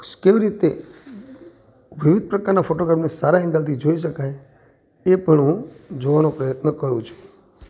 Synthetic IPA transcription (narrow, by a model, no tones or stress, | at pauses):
keʋiɾit̪e | ʋiʋid̪̚ʱpɾəkaɾnafoʈoɡɾapnesaɾaɦɛ̃ŋɡəlt̪ʰid͡ʒoiʃ̬əkaj | epəɳɦũd͡ʒoʋanopɾəjət̪nəkəɾũt͡ʃʰũ̥